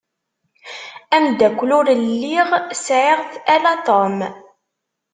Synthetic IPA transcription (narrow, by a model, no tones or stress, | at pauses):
æmd̪ækʷːlʊɾəlːiʁsʕiʁθælat̪ˤom